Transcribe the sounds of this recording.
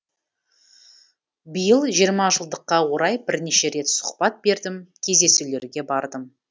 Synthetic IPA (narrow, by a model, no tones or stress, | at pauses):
bəjəlˠʒijəɾmɑʒəlˠd̪əqːɑwo̞ɾɑjbɪɾneʃe̞ɾe̞t̪sʊ̥qpɑt̪̚be̞ɾd̪ɪmkʲʰe̞zd̪e̞sule̞ɾɡʲe̞bɑɾd̪əm